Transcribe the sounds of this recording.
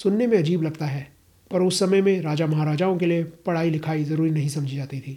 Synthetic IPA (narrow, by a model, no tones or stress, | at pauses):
sʊnːemẽɐd͡ʒiːblɐɡt̪aɦɛː | pɐɾʊsːɐməjmẽɾaːd͡ʒamɐɦaːɾaːd͡ʒaːõkeliepɐɽ̤aːilɪkʰaːizɐɾuːɾinɐɦĩsɐ̃md͡ʒʱid͡ʒaːt̪it̪ʰiː